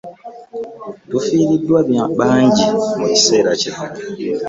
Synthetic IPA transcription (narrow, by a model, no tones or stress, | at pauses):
tufiːɾidːwaβjaɓaːɲɟimuci̥se̞ːɾaciakḁ